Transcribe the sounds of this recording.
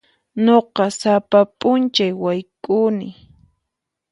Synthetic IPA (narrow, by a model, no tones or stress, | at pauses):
ɲoqɑsapapʼʊnt͡ʃajwajkʼʊnɪ